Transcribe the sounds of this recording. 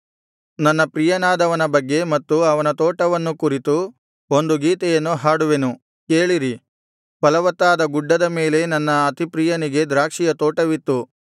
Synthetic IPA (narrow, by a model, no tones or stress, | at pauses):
nɐnːɐpɾijɐnaːd̪ɐʋɐnɐbɐɡːemɐt̪ːuɐʋɐnɐt̪ɔːʈɐʋɐnːukuɾit̪u | o̞nd̪uɡiːt̪ɛjɐnːuɦaːɽuʋe̞nu | keːɭiɾi | pɐlɐʋɐt̪ːaːd̪ɐɡuɖːɐd̪ɐme̞ːle̞nɐnːɐːt̪ipɾijɐniɡe̞d̪ɾaːkʂijɐt̪ɔːʈɐʋit̪ːu